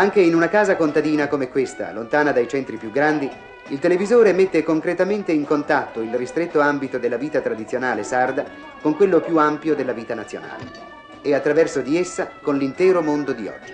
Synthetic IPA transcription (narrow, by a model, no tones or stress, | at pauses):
aŋkeinunakaːzakont̪ad̪iːnakomekːwest̪a̰lont̪aːnad̪ajt͡ʃɛnt̪ɾipjuɡːɾand̪i | ilt̪elevizoːɾemet̪ːekoŋkɾet̪ament̪eiŋkont̪at̪ːoilrist̪ɾet̪ːoambit̪od̪elːaviːt̪at̪ɾad̪it̪sːjonaːlesard̪a | koŋkwelːopjuampjod̪elːaviːt̪anat̪sːjo̰na̰ːlḛ | eat̪ːɾavɛrsod̪iesːakonlint̪ɛːɾomond̪od̪iɔ̰d͡ʒːi